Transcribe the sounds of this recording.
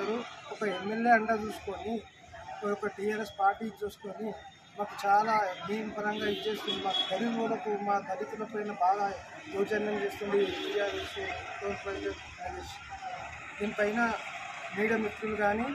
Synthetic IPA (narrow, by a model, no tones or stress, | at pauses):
aɾuɔkɐemːe̞lje̞ːɐɳʈat͡ʃuːsu̥koːɳi | jɔkːɐʈijaːɾe̞spaːɾʈiːkt͡ʃuːst̪oːni | maːkut͡ʃaːlaːɦijmpɐɾɐŋɡaːit͡ʃːe̞ːst̪unɖimaːkud̪ʱɐɾiʋoːlɐkumaːd̪ʱɐɾit̪ulɐpɐjnɐbaːɡ̪ɐ | joːt͡ʃɐnːɐmt͡ʃe̞ːst̪uɳɖiʈijaːɾesoːnpɐɽd͡ʒeskuɐnis | d̪iːnipɐjnɐmiːɽijɐmit̪ɾuluɡaːniː